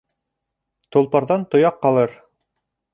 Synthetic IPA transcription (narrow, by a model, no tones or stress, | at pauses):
t̪ŏlˠpɑɾðɑnt̪ŏjɑqːɑlˠɤɾ